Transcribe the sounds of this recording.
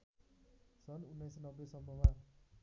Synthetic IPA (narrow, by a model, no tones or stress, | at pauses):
sʌnunːajsnʌbːesʌmːʌma